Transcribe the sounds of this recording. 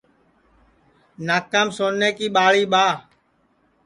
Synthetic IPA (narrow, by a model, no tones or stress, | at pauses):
naːkəmsoːnːeːkiːɓaːɭiːɓaː